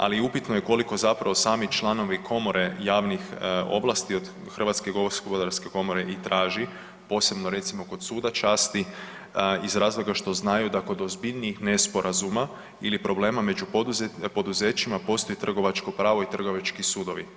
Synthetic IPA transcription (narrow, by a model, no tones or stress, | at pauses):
a̰liupit̪nojeko̞liko̞zapɾaʋo̞saːmit͡ʃlˠano̞ʋikʰo̞mo̞ɾe̞jaːʋnixo̞̰ʋlˠast̪io̞d̪ | xr̩ʋat̪skeɡooɾskobod̪aɾske̞ko̞mo̞ɾeʔit̪ɾʔaːʒi | po̞ːse̞bnoɾe̞t̪simo̞ko̞d̪suːd̪at͡ʃaːst̪i | izɾaːzlˠo̞ɡaʃt̪o̞znajud̪ako̞d̪ozbiʎʲniixne̞spo̞ɾʔazuma | ilipɾo̞ble̞ːmame̞d͡ʒuuzepo̞d̪uzet͡ʃimapo̞ːst̪o̞jet̪r̩ɡo̞ʋat͡ʃko̞pɾaːʋo̞it̪r̩ɡo̞ʋat͡ʃkisuːd̪o̞ʋi